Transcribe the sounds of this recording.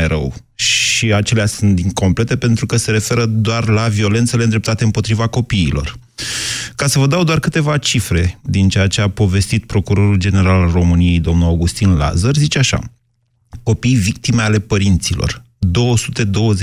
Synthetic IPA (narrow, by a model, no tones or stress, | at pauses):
ɾə̰w | ʃiat͡ʃe̞leasunt̪̚d̪iŋko̞mple̞t̪e̞pe̞nt̪ɾukəse̞ɾe̞fe̞ɾəd̪oarlavio̞le̞nt̪se̞lend̪ɾep̚t̪at̪eɨmpo̞t̪ɾivako̞piːlo̞̰r | kasəvəd̪awd̪oarkɨt̪e̞vat͡ʃifɾe̞d̪int͡ʃeat͡ʃe̞apo̞ve̞st̪it̪̚pɾo̞kuɾo̞ɾuld͡ʒe̞ne̞ɾalro̞mɨnije̞jd̪omnuaɡust̪inla̰zərzit͡ʃeaʃa̰ | ko̞pijvik̚t̪ime̞ale̞pəɾint̪silo̞̰r | d̪o̞wəsut̪e̞d̪o̞wəze